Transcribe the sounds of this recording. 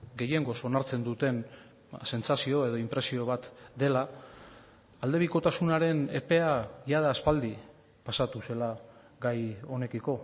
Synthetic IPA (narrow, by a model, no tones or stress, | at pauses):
ɡe̞je̞ŋɡo̞so̞naɾt͡se̞nd̪ut̪e̞n | se̞nt͡sasio̞e̞ð̞o̞impɾe̞sio̞β̞at̪d̪e̞la | ald̪e̞β̞iko̞t̪asunaɾe̞ne̞̰pe̞ajað̞aːspald̪i | pasat̪use̞la | ɡajo̞ne̞kiko̞